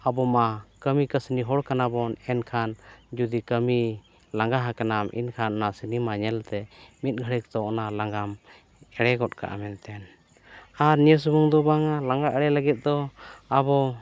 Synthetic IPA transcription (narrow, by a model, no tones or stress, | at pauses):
abɔmakəmikəsniɦɔɽkanabɔnɛnkʰand͡ʒud̪ikəmi | laŋɡaɦakanamʔḭnkʰanɔnasinimaɲɛlt̪ɛmit̪̚ɡʱəɽik̚t̪ɔɔnalaŋɡam | ɛɽɛɡɔt̪̚ka̰ʔa̰mɛnt̪ɛn | aɾnijəs̬ubuŋd̪ɔbaŋalaŋɡaʔɛɽɛləɡɛt̪̚ˀd̪ɔabɔ